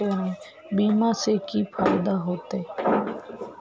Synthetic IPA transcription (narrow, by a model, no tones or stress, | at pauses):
ene | bimasekipʰajd̪aɦot̪e